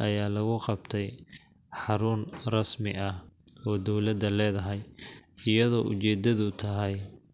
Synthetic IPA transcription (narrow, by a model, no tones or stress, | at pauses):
ʔɐjaːlɐɣʊqɑbt̪ʰɛj | ħɑɾʊnrɑsmɪʔɐhɔːd̪ɔwlɐd̪ɐlɛːðɐɦɛjɪjɐðɔːʔʊ̰t͡ʃɛːd̪ɐðʊt̪ʰɐɦɛj